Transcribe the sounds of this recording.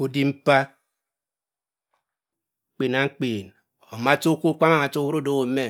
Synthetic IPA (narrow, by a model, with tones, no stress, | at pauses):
o˨di˦m̩˦pa˦˨˦ | k͡pe˨na˨ŋ̩˦k͡peː˨n | o˨ma˦to˦ku˦kʷa˦a˨ma˨to˦hu˦ɾo˦do˦wo˨˦me˦